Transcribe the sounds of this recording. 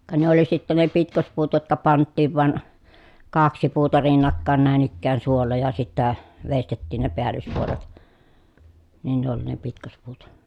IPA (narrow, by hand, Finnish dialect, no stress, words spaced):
kɑ ne oli sitːe ne pitkospuːt jotkɑ pɑntːiːʋ ʋɑn kɑksi puːtɑ rinːɑkːɑˑen næˑen ikːæːn suolːɑ jɑ sitːæ ʋestetːiːn ne peælːyspuolet nin ne oli ne pitkospuːt